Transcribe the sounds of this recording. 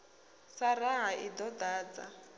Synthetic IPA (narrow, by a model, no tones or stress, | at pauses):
saraɦaʔidɔdaːd͡za